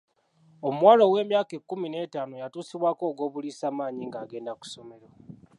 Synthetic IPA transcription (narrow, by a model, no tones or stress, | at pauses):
omwaːlo̞we̞ːmjaːke̞kːumine̞ːtaːnojatuːsiβwaːko̞ːɡo̞ːβulisaːmaːɲiŋɡaːɡe̞ːndaku̥so̞me̞ɾo